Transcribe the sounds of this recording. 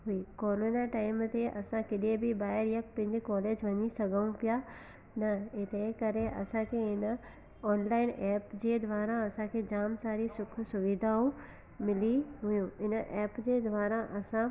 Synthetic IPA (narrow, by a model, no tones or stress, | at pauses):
ɦʊikɔːlonaʈaːɪmt̪eʔɐsãkɪɗiebʱibaːəɾjɐk̚pɪ̃ːɲd̪ekɔːleːd͡ʒʋɐɲisɐɡaũpja | nɐɪt̪ẽkɐɾẽʔɐ̰sãkʰeɪn | ɔːnlaːɪnʔɛːpd͡ʑed̪ʋaːɾaɐsãkʰed͡ʑaːmsaːɾisʊkʰsʊʋid̪ʱaũ | mɪliɦʊjũɪnʔɛːpd͡ʒed̪ʋaːɾaʔɐsã